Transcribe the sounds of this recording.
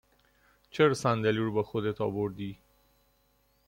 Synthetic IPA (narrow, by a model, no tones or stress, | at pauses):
t͡ʃəɾsand̪aliɽbaxʊd̪et̪ɑ̰boɾd̪i